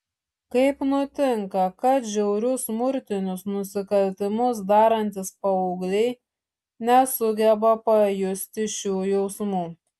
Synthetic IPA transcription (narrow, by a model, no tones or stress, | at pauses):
kɐɪpnʊt̪ʲɪŋkɐkɐt̪ʒʲɛʊɾʲʊsmʊɾʲt̪ʲɪnʲʊsnʊsʲɪkɐlʲt̪ʲɪmʊs̬d̪ɑːɾɐnʲt̪ʲɪspɐɔʊɡlʲɛɪ | nʲɛsʊɡʲɛbɐpɐjʊsʲt̪ʲɪʃʲuːjɛʊsmuː